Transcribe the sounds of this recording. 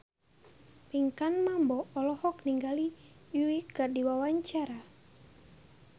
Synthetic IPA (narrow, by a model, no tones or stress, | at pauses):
piŋkanmambɔːlɔhɔk̚niŋɡalijuikardiwawaɲt͡ʃaɾa